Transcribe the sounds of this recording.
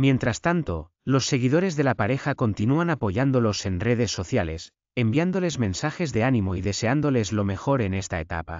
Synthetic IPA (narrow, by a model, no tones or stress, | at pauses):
mje̞nt̪ɾast̪ant̪o̞ | lo̞sːe̞ɣ̞iðo̞ɾe̞zðe̞lapaɾe̞xako̞nt̪inuanapo̞ʝand̪o̞lo̞se̞nreð̞e̞sːo̞θjale̞s | embiand̪o̞le̞zmẽ̞nsaxe̞zðe̞anĩmo̞iðe̞se̞and̪o̞le̞zlo̞me̞xo̞ɾe̞nest̪ae̞t̪a̰pa̰